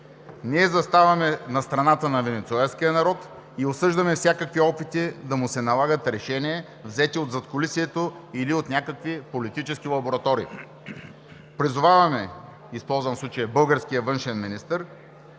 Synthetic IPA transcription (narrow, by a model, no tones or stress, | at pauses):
niɛzɐst̪avɐmɛnɐst̪ɾɐnat̪ənɐvɛnɛt̪suɛlsk̟ijənɐɾɔt̪ | iosɤʒd̪ɐmɛfsʲjakəkviɔpit̪id̪ɐmʊsɛnɐlˠaɡət̪ɾɛʃɛniɛ | vzɛt̪iod̪zɐt̪kʊlisiɛt̪oiliot̪nʲakəkvipolit̪it͡ʃɛsk̟ilˠɐboɾɐt̪ɔɾḭː | pɾizʊvavɐmɛ | ispɔlˠzvɐmfsˠut͡ʃəjɐbɤlˠɡəɾsk̟ijəvɤnʃɛnminist̪əɾ